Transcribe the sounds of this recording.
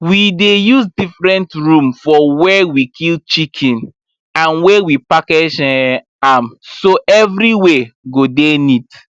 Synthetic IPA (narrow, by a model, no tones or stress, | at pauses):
widejusdifɹɛ̃ntɹũmfɔwɛwikʰilt͡ʃikʰɛ̃n | ãnwɛwipaked͡ʒɛ̃ | amsoʔɛvɾiweɡodenit